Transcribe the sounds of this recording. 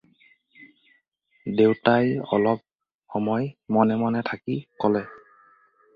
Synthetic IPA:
dewtajɔ̰lɔp̚ | xɔmɔjmɔnɛmɔnɛtʰakikɔlɛ

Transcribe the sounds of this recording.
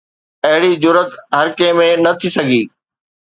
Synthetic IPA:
ɐɦɪɽizʊɾət̪ɦɐɾkeːmẽnɐt̪ʰisɐɡʱiː

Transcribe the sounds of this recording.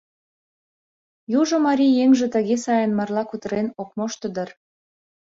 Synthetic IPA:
juʒŏmɑɾʲijeŋʒĕt̪ə̆ɣesɑjənmɑrlɑkut̪əɾenok̚moʃt̪əd̪ə̆r

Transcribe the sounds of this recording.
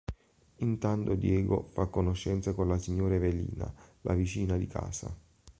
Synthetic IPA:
int̪ant̪od̪jɛːɡo̰fakːonoʃːɛnt̪sakonlasiɲːoːɾavelḭːna̰lʔa̰vit͡ʃiːnad̪ikʰa̰ːsa̰

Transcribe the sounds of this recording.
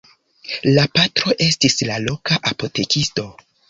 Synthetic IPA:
lapatɾo̞ʔe̞stislalo̞kaʔapo̞te̞kisto̞

